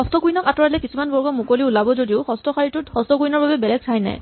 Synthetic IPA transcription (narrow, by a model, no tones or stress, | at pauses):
ɔstɔkujnɔkatɔɹalɛkisumanbɔɹɡɔmukoliulabɔzodiʊxɔstɔxaɹitʊtxɔstɔkujnɔɹbabɛbɛlɛɡ̚sʰajna̰j